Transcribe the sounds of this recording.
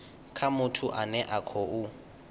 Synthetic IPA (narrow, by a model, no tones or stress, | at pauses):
kʰamʊtʰʊʔanɛʔakʰɔʊ